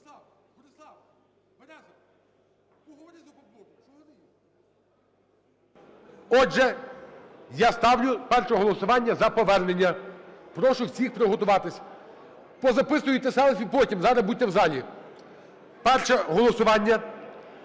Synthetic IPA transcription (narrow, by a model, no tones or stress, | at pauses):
ɔd͡ʒɛ | jast̪ɑwlʲʊpɛrʃɔɦɔlˠɔsʊʋɑnʲːɐzɐpɔʋɛrnenʲːɐpɾɔʃʊwsʲixpɾeɦɔt̪ʊʋɑt̪ɪsʲɐ | pɔzɐpɪsʊjʊjt̪ɛsɛlˠsʲipɔtʲimzɑɾɐbutʲːɐwzɑlʲi | pɛrʃɛɦɔlˠɔsʊʋɑnʲːɐ